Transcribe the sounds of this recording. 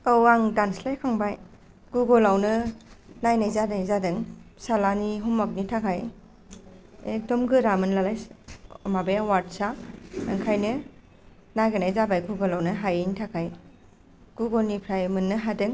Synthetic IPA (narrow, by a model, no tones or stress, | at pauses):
ɔwaŋdanslajkʰaŋbaj | ɡ̥uɡɔlawnɯnajnajzadajzadɯŋsalaniɦumːak̚nitʰakʰaj | ek̚dɔmɡɯɾamɯnlalaj | mabewat̚saɯŋkʰajnɯ | najɡɯnajzabajɡuɡɔlawnɯɦajintʰakʰaj | ɡ̥uɡɔlnipʰɾajmɯnːɯɦadɯŋ